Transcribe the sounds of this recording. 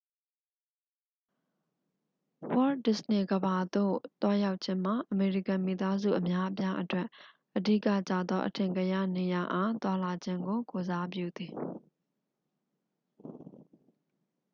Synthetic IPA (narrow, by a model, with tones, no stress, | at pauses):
wɔ˦dɪ˨səne˨ɡəba˨d̪o̰˦˨t̪wa˦ja˦ʊʔt͡ɕʰɪ̃˦m̥a˨ʔəme˨ɹi˦˨kã˨mi˨t̪a˦zṵ˦˨ʔəmja˦ʔəp̬ja˦ʔətwɛ˦ʔ | ʔədḭ˦˨kä̰˦˨t͡ɕä̰˦˨d̪ðɔ˦ʔətʰɪ̃˨ŋɡə˨ja̰˦˨ne˨ja˨ʔã˦t̪wa˦la˨d͡ʑɪ̃˦ŋɡo˨ko˨za˦p̬jṵ˦˨d̪i˨